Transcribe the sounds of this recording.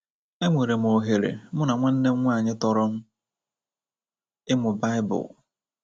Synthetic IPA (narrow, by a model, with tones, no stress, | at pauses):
e˦ŋʷe˨ɾe˨m̩˨o˨ɦe˨ɾḛ˨mʊ˦na˨ŋʷa˦n̩˦ne˦ŋ̩˦ŋʷa˦˨ɲɪ˦tɔ˨ɾʊ˦m̩˦ | ɪ˦mʊ˨ba˦ɪ˦bʊ̰˨l